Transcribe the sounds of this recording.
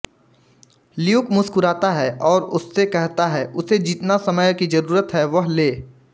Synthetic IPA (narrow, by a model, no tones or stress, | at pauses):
lɪjʊːkmʊskʊɾaːt̪aɦɛʔɔːɾʊsːekɛɦt̪aɦɛːʊsed͡ʒɪt̪nasɐməjkid͡ʒɐɾuːɾət̪ɦɛʋɐɦleː